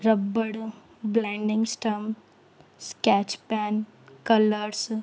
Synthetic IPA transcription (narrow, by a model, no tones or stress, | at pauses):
ɾəbːəɽ | blaɳɖɪ̃ŋɡsʈɐm | skɛt͡ʃpɛːn | kɐləɾs